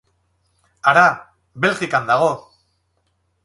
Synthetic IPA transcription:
aɾa | βe̞lɣikand̪aɣ̞o̞

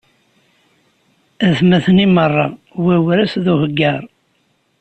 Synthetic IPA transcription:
æθmæθnimərˤːɑwæwɾæsðuhəɡːəɾˤ

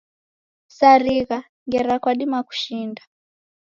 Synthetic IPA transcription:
saɾiɣa | ŋɡɛɾakwaɗimaku̥ʃinda

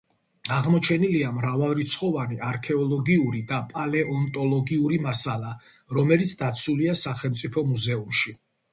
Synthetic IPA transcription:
aʁmɔt͡ʃʰɛniliamɾavalˠɾit̪sʰχɔvaniʔaɾkʰɛɔlˠɔɡiuɾid̪apʼalɛʔɔnt̪ʼɔlˠɔɡiuɾimasalˠa | ɾɔmɛlit̪sʰd̪at̪sʰuliasaχɛlˠmt̪sʼipʰɔmuzɛumʃi

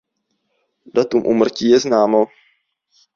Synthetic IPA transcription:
dat̪umʔṵːmr̩ciːjɛznaːmo

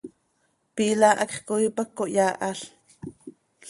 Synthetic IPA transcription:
piːlaʔakχkoipakːoʔjaːʔaɬ

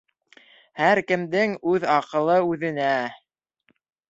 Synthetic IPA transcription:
hæɾkɘ̆md̪ɘŋʉðɑqɤ̆lˠɤʉðɘ̆næ

